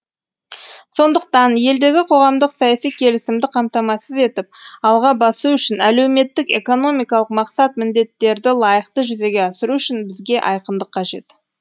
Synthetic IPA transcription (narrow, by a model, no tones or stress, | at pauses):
so̞nd̪əqt̪ɑnje̞ld̪e̞ɡʲɪqʰo̞ʁɑmd̪əqsɑjɑsijkʲʰe̞lɪsɪmd̪ɪqʰɑmt̪ɑmɑsəze̞t̪ɪp̚ɑlˠʁɑbɑsuʏʃɪnæle̞wme̞t̪ːɪke̞̰ko̞no̞mijkɑlˠəqmɑqsɑt̪̚mɪnd̪e̞t̪ːe̞ɾd̪ɪlˠɑjəqt̪əʒʏze̞ɡʲe̞ɑsəɾuʏʃɪnbɪzɡʲe̞ʔɑjqəmd̪əqʰːɑʒe̞̰t̪